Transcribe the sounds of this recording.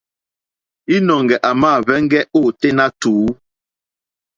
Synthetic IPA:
i˦nɔ˨ŋɡɛ˨ʔa˨maː˦˨vɛ˦ŋ˦ɡɛ˦oː˦˨te˦na˦tuː˨˦

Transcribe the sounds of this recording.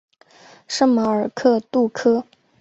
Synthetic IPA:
ʂɤ˥ŋma˧˥ə˞˨˩kʰɤ˥˧t̪u˥˩kʰɤ˥

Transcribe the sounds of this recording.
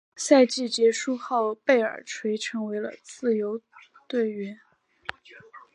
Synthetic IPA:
sa˥˧ɪt͡ɕi˥˩t͡ɕjɛ˧˥ʂu˥˧xo˥˩ʊpe˥˩ɪə̰˞˨˩ʈ͡ʂʰwe˧˥ɪʈ͡ʂʰɤ˧˥ŋwe˧˥ɪlə̰˧t͡sɹ̩˥˩jo˧˥ʊ | t̪we˥˩ɪɥɛ˧˥n

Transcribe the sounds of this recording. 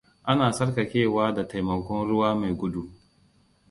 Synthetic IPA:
ʔa˦naː˨sɐ˦rkɐ˨kʲeː˦˨waː˦da˨ta˨jmɐ˨kʷɔ˦nɽʊ˦waː˦ma˨jɡʷʊ˦du˦

